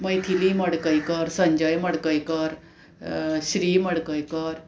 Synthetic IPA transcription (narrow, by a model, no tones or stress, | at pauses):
məjt̪ʰiliməɽkəjkəɾsə̃ɲd͡ʑəjməɽkəjkəɾ | ɕɾiːməɽkəjkəɾ